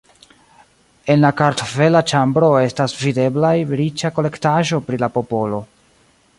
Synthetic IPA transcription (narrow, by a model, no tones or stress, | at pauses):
e̞nlakaɾtofe̞lat͡ʃambɾo̞e̞stasvide̞blajɾit͡ʃako̞le̞ktaʒo̞pɾilapo̞po̞lo̞